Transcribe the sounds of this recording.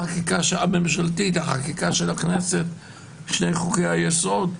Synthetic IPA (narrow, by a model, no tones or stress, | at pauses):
akikaʃamemʃalt̪it̪aχakikaʃelakneset̪ | ʃnejχukejhajeso̞d̪